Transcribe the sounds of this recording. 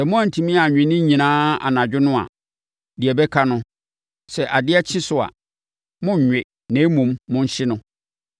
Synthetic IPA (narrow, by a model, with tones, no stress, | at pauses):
sɛ˨mʊ̃˦ã˨n˨tʰĩ˨mĩ˦a˨ɲᶣɪ̃˨nɪ̃˦ɲĩ˨nãː˦a̰˨nã˨d͡ʑᶣɪ˦nʊ̃˦a̰˨ | di˨ɛ˨bɛ˦kʰa˦nʊ̃˦ | sɛ˨ʔa˨dɪ˦ɛ˦t͡ɕʰɪ̃˦sʊ˨a̰˨ | mʊ̃˦ɲ̩˨ɲᶣɪ˨ | nẽ˨˦mũ˨mːʊ̃˦n̩˦ɕɪ˦nʊ̃˦